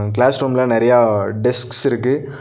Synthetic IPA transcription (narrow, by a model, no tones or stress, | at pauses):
klaːsɾuːmlãːnɛɾɐjaːɖɪsksɪɾɯkːɯ